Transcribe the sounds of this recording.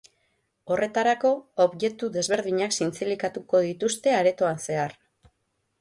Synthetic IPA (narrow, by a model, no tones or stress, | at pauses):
o̞rʔe̞t̪aɾako̞oβje̞t̪uðe̞zβe̞ɾð̞iɲaksint͡silikat̪uko̞ðit̪ust̪e̞aɾe̞t̪o̞anse̞ar